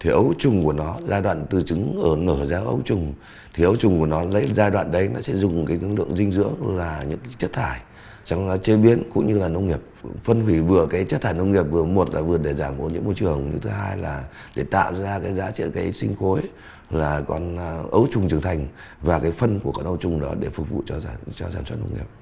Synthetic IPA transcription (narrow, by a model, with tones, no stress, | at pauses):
t̪ʰi˨˩ʔə˨˦wt͡ɕʊ˨˩ŋ͡mku˧˩ənɔ˨˦zaː˧jɗwa̰ː˧˨nt̪ɨ˨˩t͡ɕɨ˨˦ŋʔəː˧˩nəː˧˩zaː˧ʔə̰˨˦wt͡ɕʊ˨˩ŋ͡m | t̪ʰi˨˩ʔə˨˦wt͡ɕʊ˨˩ŋ͡mku˧˩ənɔ˨˦lə̰˧˥jzaː˧jɗwa̰ː˧˨nɗə˨˧˦jnɔ˨˦sɛ̰˧˥zʊ˨˩ŋ͡mkaː˨˦jlɨ̰˧˨əŋzï˧ŋ̟zɨ̰˧˥əŋlaː˨˩ɲɨ̰˧˥ŋka˨˦jt͡ɕə˦˥t̚t̪ʰaː˧˩j | t͡ɕɔ˧wŋ͡mt͡ɕe˧ɓi˨˦ənkʊ̰˧˥ŋ͡mɲɨ˧laː˨˩nə˧wŋ͡mŋi˨˩əp̚fə˧nɦwi˧˩vɨ˨˩əkaː˨˦jt͡ɕə˦˥t̪ʰaː˧˩jnə˧wŋ͡mŋi˨˩əp̚vɨ˨˩əmo˨˩t̚laː˨˩vɨ˨˩əɗe˧˩zaː˧˩mʔṵ˨˦nɲɨ̰˧˥ŋmo˧jt͡ɕɨ˨˩əŋɲɨ̰˧t̪ʰɦaː˧jlaː˨˩ɗe˧˩t̪a̰ː˧˨wzaː˧kaː˨˦jzaː˧˥t͡ɕḭ˧˨nkaː˨˦jsi˧ŋ̟xo˨˦j | laː˨˩kɔ˧n˧ʔə˨˦wt͡ɕʊ˨˩ŋ͡mt͡ɕɨ˨˩əŋt̪ʰa˨˩jŋ̟ | vaː˨˩kaː˨˦jfə˧nku˧˩əkɔ˧˩nʔə˧wt͡ɕʊ˨˩ŋ͡mɗɔ˨˦ɗe˧˩fʊ˨˩k̚vṵ˧˨t͡ɕɔ˧˩t͡ɕɔ˧saː˧˩nswə˦˥t̚nə̰˧wŋ͡mŋḭ˨˩əp̚